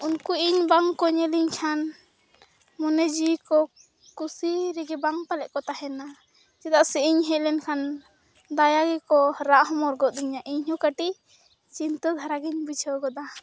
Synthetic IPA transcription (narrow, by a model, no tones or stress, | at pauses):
unkuiɲbaŋkɔɲɛliɲkʰan | mɔnɛd͡ʒikɔ | kusiɾɛɡɛbaŋpalɛʔkɔt̪ahɛna | t͡ʃɛd̪aʔsɛiɲɦɛʔlɛnkʰan | d̪ajaɡɛkɔɾaʔɦɔmɔɾɡɔʔd̪iɲaʔiɲɦɔkaʈi | t͡ʃint̪ɔd̪ʱaɾaɡɛɲbid͡ʒʰʱɔɡɔd̪a